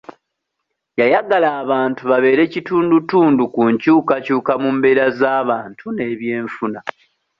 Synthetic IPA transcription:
jajaɡalaːβaːntuβaβe̞ːɾe̞cituːndutuːndukuɲcuːkacuːkamumbe̞ɾazaːβaːntʰune̞ːβje̞ːɱfuna

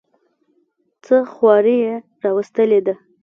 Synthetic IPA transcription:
t͡səxwɑɾije | ɾɑwəst̪əled̪a

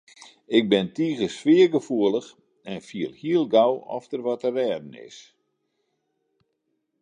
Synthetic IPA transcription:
ɪk̚bɪntiːɣəsfɪːərɡəfuəlˠəx | ɛnfiəlˠhiəlˠɡawɔ̰ftərʋɔtərɛːdən̩ɪ̰s

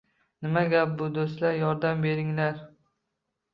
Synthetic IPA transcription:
nɪmaɡʲap̚bʊd̪ost̪laɾjɒɾd̪ambe̞ɾɪŋlaɾ

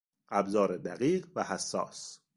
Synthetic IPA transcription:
ʔæbzɒːɾed̪æɣiːɢvæhæsːɒ̰ːs

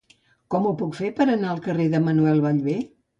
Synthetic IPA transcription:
kɔmupukfepəɾənaəlˠkəreðəmənuɛlˠβaʎβe

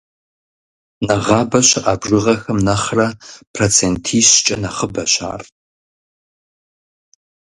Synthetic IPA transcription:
nɐʁɑːbɐɕɪʔaːbrɨʁɐxɐmnɐχrɐpʰrot͡sʰentʰiːɕt͡ʃʼɐ̰nɐχəbɐɕa̰ːr

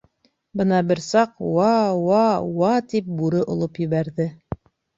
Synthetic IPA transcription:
bɤnɑbɘɾsɑqwɑwɑwɑt̪ip̚buɾɤʔŏlˠopjɘ̆βæɾðɘ

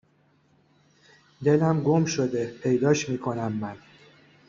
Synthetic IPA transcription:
d̪e̞læmɡo̞mʃo̞d̪epʰe̞jd̪ɒːʃmiːkʰo̞næmːæn

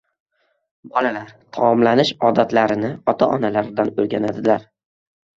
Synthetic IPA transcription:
bɒlalaɾt̪ʰamɒmlanɪʃɒd̪at̪laɾɪnɪɒt̪ʰaʔɒnalaɾd̪anɵlɡʲanad̪ɪlaɾ

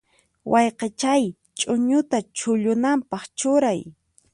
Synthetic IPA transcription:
wʔɑjqɑt͡ʃaj | t͡ʃʼʊɲʊt̪at͡ʃʊʎʊnampɑχt͡ʃʊɾaj

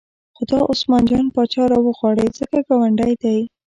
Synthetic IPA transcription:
xod̪ɑʔosmɑnd͡ʒɑnpɑt͡ʃɑɾɑwəɣwɑɽezəkaɡɑwaɳɖajd̪aj

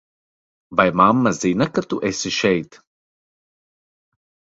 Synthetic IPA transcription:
vajmamːazinakat̪uʔesiʃɛjt̪

